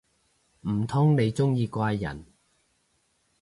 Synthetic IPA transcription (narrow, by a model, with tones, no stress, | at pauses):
m̩˨˩t̪ʰʊ˥ŋne˨˧jt͡sʊ˥ŋjiː˧kʷaː˧jːɐ̰˨˩n